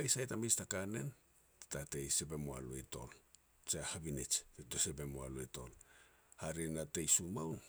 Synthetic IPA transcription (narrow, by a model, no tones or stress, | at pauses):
ajsajtamestakane̞n | ttate̞jse̞be̞moa̰lueto̞̰l | t͡ʃehabinit͡ʃetose̞be̞moa̰loeto̞̰l | haɾinatejsumawn